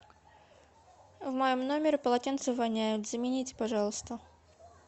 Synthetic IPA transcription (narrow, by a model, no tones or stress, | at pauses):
vmɐjomnomʲɪɾʲɪpəlˠɐtʲent̪sɨvɐlʲnʲæjʊt̪zəmʲɪnʲitʲɪ̥pɐʐɑlˠəst̪ə